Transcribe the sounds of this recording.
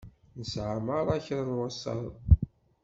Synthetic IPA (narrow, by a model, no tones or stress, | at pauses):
nəsʕaməɾˤaçɾanwasːɑ̰l